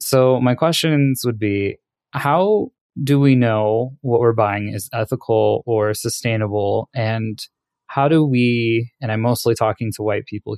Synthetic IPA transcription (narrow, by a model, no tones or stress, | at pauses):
soʊmaɪkʰw̥ɛst͡ʃɨ̃nzwəd̚bi | haʊ | dɨwinoʊwʌʔ̚wɪɹbaɪɪ̃ŋɪzɛθəkʰl̩ˠə˞sɨstẽɪ̃nəbl̩ˠɨ̃n | haʊɾəwiɨ̃ñãɪ̃moʊstˡlitʰɔkɪ̃ŋtʰəwaɪt̚pʰipl̩ˠ